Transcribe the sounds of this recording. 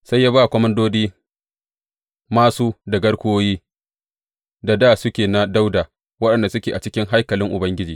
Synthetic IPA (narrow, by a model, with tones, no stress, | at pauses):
sa˦jːaː˦ba˦˨kʷɔ˦mɐ˦ndoː˦diː˦ | maː˦suː˦dɐ˨ɡɐ˦ɽkʷʊ˦oː˦jiː˦ | da˨daː˦˨sʊ˦kʲeː˨na˦da˦wdaː˨ | wɐ˦ɗɐ˨nda˨sʊ˦kʲeː˨ʔa˨t͡ʃɪ˦kʲɪ˦ŋɦa˦jkɐ˨lɪ˦ŋʔʊ˨bɐ˦ŋɡʲɪ˦d͡ʒiː˨